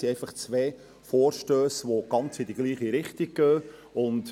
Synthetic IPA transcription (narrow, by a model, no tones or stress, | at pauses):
siɛɪfɑχt͡sʋeː | fɔːɾʃtøːsʋoɡ̥ɑnt͡sɪdiɡ̥liːχiɾɪχtiɡ̚ɡ̥øːʊnt